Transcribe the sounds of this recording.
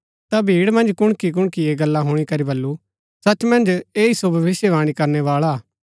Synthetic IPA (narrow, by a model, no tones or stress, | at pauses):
t̪abʱiːɽmɐ̃nd͡ʒkʊɽ̃kik̬ʊɽ̃kieɡɐlːãɦʊːɽ̃ikɐɾibɐlːu | sɐt͡ʃmɐ̃nd͡ʒeːisobʱɐʋɪsjeʋaːɽ̃ikɐɾneʋaːɭa